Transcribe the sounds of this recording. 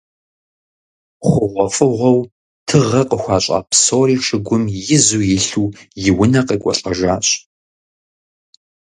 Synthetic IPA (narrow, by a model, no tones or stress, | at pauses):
χʷʊʁʷɔfʼɨʁʷɔw | tʰɨʁɐqʼəxʷɑːɕʼa̰ːpsoːɾiːʂɨɡʷʊmjɪzuːjɪɬuːjɪwʊnɐqikʷʼɔɬʼɐʒaːɕʼ